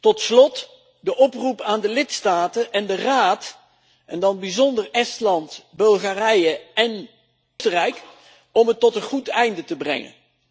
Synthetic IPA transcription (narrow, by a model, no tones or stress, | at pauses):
tɔtslɔt | dəʔɔprupaːndəlɪtstaːtəʔɛndəraːt | ʔɛndɑnbizɔndərɛstlɑntbɵlˠχarɛjəɛn | stərɛjk | ɔmɦətːɔtənχutɛjndətəbrɛ̰ŋə̰n